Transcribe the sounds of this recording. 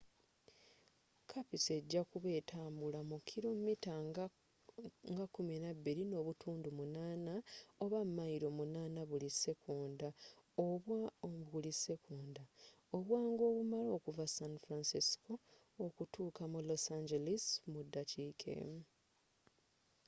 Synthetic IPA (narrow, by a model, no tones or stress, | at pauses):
kʰapise̞ɟːakuβe̞ːtʰaːmbulamukʰːilo̞mita | ŋɡakːuminabːiɾino̞ːβutʰuːndumunaːnao̞βamːaiɾo̞munaːnaβulise̞kʰuːndao̞βwaɣulise̞kʰuːnda | oβwaːŋɡo̞ːβumalo̞ːkuvasanfɾansiskʰo̞ː | kutuːkamulo̞saɲd͡ʒelismudːacʰiːkʰḛ